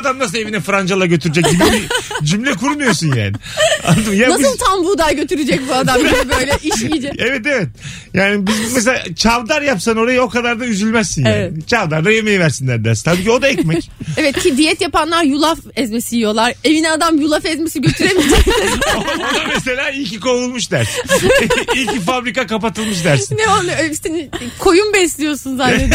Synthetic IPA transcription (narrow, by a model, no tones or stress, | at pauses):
d̪amnas̬ɯlˠe̞vinɛfɯɾand͡ʒalˠaɟøt̪ʰyɾyd͡ʒɛc̚ɟibibid͡ʒymlʲɛkʰuɾmujo̞sunja̰ːnɪa̰nˠad̪ɯmjanasɯlˠt̪ʰambud̪aɟø̞t̪ʰyɾyd͡ʒɛc̚buad̪ammɛbø̞jlʲɛʔiʃmʲid͡ʒɛevɛt̪evɛt̪̚ | jaːnibizmes̬e̞lʲa̰t͡ʃʰavd̪aɾjapsano̞ɾajao̞kad̪aɾd̪ayzylʲmɛsːinaːɛnit͡ʃʰavd̪aɾd̪ajemejivæɾsinlʲæɾd̪æst̪ʰabiːcio̞d̪aɛcmɛcevɛt̪cʰid̪ijɛt̪japanlˠaɾjulˠafɛzme̞sijijo̞lˠaɾe̞viniad̪amjulˠafɛzmesiɟø̞t̪ʰyɾemid͡ʒɛk̪ | oamese̞lʲaːicikoulˠmuʃd̪æɾsinijcʰifabɾikakapat̪ʰɯlˠmɯʃ̬d̪æɾsineolˠne̥t̪inkʰo̞jumbɛslʲijo̞sunzaːt̪ʰɛ